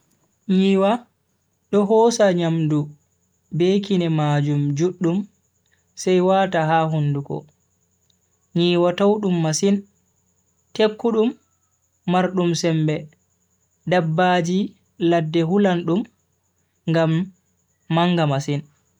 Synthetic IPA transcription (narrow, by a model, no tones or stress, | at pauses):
ɲiːwa | ɗɔɦɔːsaɲamdu | beːkinɛmaːd͡ʒumd͡ʒuɗːum | sɛjwaːtaɦahundukɔ̰ | ɲiːwatawɗumːasin | tekːuɗumː | aɾɗumsɛmbɛ | dabːaːd͡ʒi | ladːɛhulanɗum | ŋɡamː | aŋɡamasin